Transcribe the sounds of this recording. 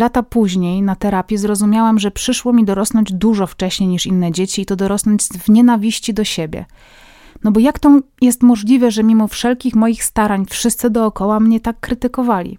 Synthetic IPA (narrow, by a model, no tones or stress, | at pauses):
lat̪apuʑɲejnat̪ɛɾapʲjɛzɾɔzumʲjawɛmʐɛpʂɘʂwɔmʲid̪ɔɾɔsnɔɲd͡ʑd̪uʐɔft͡ʂɛɕɲejɲiʂinːɛd͡ʑet͡ɕiːt̪ɔd̪ɔɾɔsnɔɲd͡ʑzvɲɛnavʲiɕt͡ɕid̪ɔɕebʲjɛ̰ | nɔbɔjakt̪ɔjɛst̪mɔʐlʲivɛʐɛmʲimɔfʂɛlkʲixmɔjixst̪aɾaɲfʂɘst̪sɘd̪ɔːkɔwamɲɛt̪akːɾɘt̪ɘkɔvalʲḭ